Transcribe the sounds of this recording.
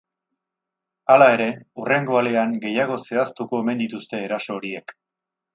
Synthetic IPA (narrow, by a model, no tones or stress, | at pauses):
alae̞ɾe̞ure̞ŋɡo̞ale̞aŋɡe̞jaɣ̞o̞se̞ast̪uko̞eme̞nd̪it̪ust̪e̞ːɾaso̞ːɾie̞k